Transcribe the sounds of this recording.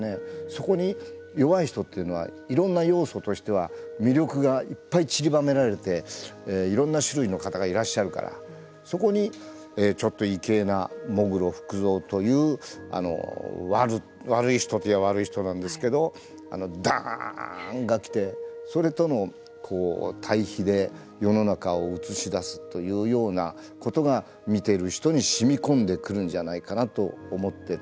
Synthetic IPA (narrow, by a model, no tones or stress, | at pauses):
ne̞so̞ko̞ɲ̟ijo̞βaiçi̥t̪o̞t̪ːe̞iɯ̟no̞a̰ | iɾõ̞nːajo̞ːso̞t̪o̞ɕi̥t̪e̞β̞amʲiɾʲo̞kɯ̟ɡaipːait͡ɕiɾʲibame̞ɾaɾe̞t̪e̞eːiɾõ̞nːaɕɨɾɯ̟ino̞kat̪aɡaiɾaɕːaɾɯ̟ka̰ɾa̰ | so̞ko̞ɲ̟i | eːt͡ɕo̞t̪ːo̞ike̞ːna̰mo̞ɡɯ̟ɾo̞ɸɯ̟̥kɯ̟zo̞ːt̪o̞jɯ̟ːa̰no̞̰βaɾɯ | βaɾɯ̟içi̥t̪o̞t̪iaβaɾɯ̟içi̥t̪o̞nãnd̪e̞sɨ̥ke̞d̪o̞ | a̰no̞d̪ã̰ | ŋɡakʲi̥t̪e̞so̞ɾe̞t̪o̞no̞ | kʰo̞ːt̪ʰaiçid̪e̞ | jo̞no̞nakaoɯt͡sɨɕid̪asɨ̥t̪ːo̞jɯ̟ːjo̞ːna | ko̞t̪o̞ɡa | mʲit̪e̞ɾɯ̟çi̥t̪o̞ɲ̟iɕimʲikõ̞nd̪e̞kɯ̟ɾɯ̟̃ɲ̟d͡ʑanaikanat̪o̞omo̞t̪ːe̞